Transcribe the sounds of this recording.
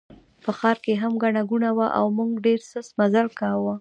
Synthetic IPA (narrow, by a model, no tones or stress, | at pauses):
pəxɑɾkeɦamɡaɳaɡunawaʔa̰wmuŋɡɖeɾsəsmazalkɑwə